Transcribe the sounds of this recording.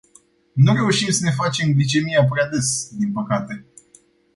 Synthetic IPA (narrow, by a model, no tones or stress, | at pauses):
nuɾe̞uʃimsəne̞fat͡ʃe̞mɡlit͡ʃe̞miap̬ɾead̪esd̪inpəkat̪e̞